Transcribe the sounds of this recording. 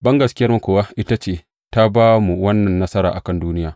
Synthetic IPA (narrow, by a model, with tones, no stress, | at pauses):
bɐ˦ŋɡɐ˨skʲɪ˦jɐ˦rmu˨kʷoː˨wa˦ʔɪ˦ta˦t͡ʃeː˦˨ | ta˦baː˦mu˨wɐ˦nːɐ˨nːɐ˦sɐ˦ɾa̰ː˨ʔa˨kɐ˦nduː˦nɪ˦jaː˨